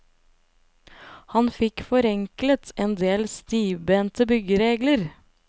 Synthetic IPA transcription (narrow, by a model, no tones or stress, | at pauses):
hɑnfɪkfɔɾɛŋklət̪ʰeːnd̪eːlst̪iːʋbeːnt̪əbʏɡəɾeːɡləɾ